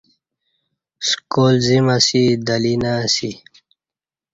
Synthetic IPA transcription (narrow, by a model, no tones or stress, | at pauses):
skoːlzimasid̪əlinasi